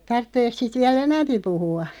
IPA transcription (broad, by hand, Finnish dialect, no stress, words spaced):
tɑrtːeːk siːt ʋiæl enæmpi puhuɑ